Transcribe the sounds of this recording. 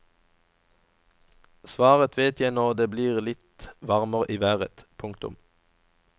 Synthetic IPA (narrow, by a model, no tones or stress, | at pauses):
sʋɑːʁət̪ʰʋeːt̪ʰjæɪnɔʁd̪eːbliːʁlɪt̪ʋɑʁməʁəʔiːʋæːʁə̰t̪pʰʊŋkt̪ʊ̰m